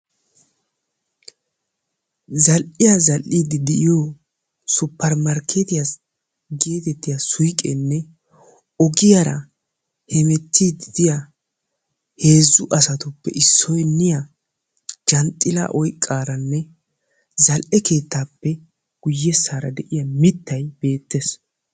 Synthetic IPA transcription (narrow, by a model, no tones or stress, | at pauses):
zɐlʔɪjazɐlʔid̪ɪd̪ɛʔɪjo | sʊpːɐɾmɐɾkʰːet̪ɪjas | ɡe̞ːt̪ɛt̪ːɪjasʊjkʼɛ̰nːɛ | ɔɡɪjaɾɐ̰ | hɛmɛt̪ʰːid̪ɪd̪̥ɪja | he̞ːzːʊʔɐsɐt̪ʊpːɛ̰ʔɪsːɔjnɪja | d͡ʒɐnt̪ʼːɪla̰ʔɔjkʼːaːɾɐnːɛ | zɐlʔɛke̞ːt̪ːaːpːɛ | ɡ̥ʊjːɛsːaːɾɐ̰d̪ɛʔɪjɐmɪt̪ːɐjb̥e̞ːt̪ːes